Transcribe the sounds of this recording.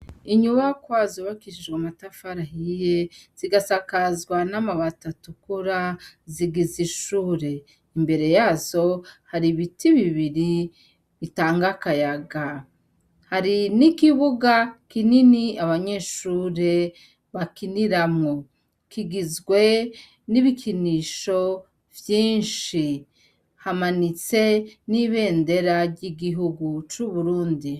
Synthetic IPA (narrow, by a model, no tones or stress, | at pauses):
iɲuβakwaːzo̞βakiʃid͡ʒɡwamatafaɾaɦijez̥iɡasakazɡwanamaβatatukuɾaziɡiziʃuːɾe̞ | imbe̞ɾe̞jaːzo̞haɾiβitiβiβiɾi | βitaːŋɡakajaɡa | haɾinikiβuɡakininiaβaɲe̞ʃuːɾe | βakiniɾamŋo̞ | kiɡizɡwe̞ | niβikʰiniːʃo̞ | vjiːnʃi | hamanit͡se̞niβe̞ːnde̞ɾaɾɟiɡiɦuɡut͡ʃuβuɾuːndi